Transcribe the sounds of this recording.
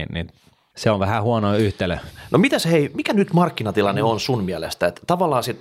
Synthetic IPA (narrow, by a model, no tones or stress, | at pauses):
nnḭn | seoʋʋæhæhuɑnoyht̪elønʔomit̪æsheimikænyt̪mɑrkːinɑt̪ilɑnːeonsunmiælḛst̪æet̪t̪ɑʋɑlːˑɑːsit̪